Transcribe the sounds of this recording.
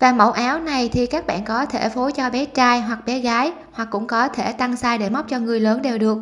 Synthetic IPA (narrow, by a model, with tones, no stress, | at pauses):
vaː˨˩mə̰˧˩wʔaː˨˦wna˨˩jt̪ʰi˨˩kaː˦˥k̚ɓa̰ː˧˨nkɔ˨˦t̪ʰe˧˩fo˨˦t͡ɕɔ˧ɓɛ˨˦t͡ɕaː˧jɦwa˨˩k̚ɓɛ˨˦ɣaː˨˦j | hwa˨˩kːʊ̰˧˥ŋ͡mkɔ˨˦t̪ʰe˧˩t̪a˧ŋsaː˧jɗe˧˩ma˦˥k͡p̚t͡ɕɔ˧ŋɨ˨˩əjləː˨˦nɗe˨˩wɗɨ˨˩ək̚